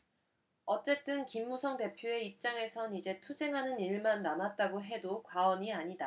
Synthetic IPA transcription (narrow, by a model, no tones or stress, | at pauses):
ʌt͡ɕ͈e̞t͈ɯnkimːusʰʌŋde̞pʰjoe̞ip̚t͡ɕ͈aŋe̞sʰʌnid͡ʑe̞tʰud͡ʑe̞ŋɦanɯniɭmanːamat̚t͈aɡoɦe̞dokwaʌɲiaɲida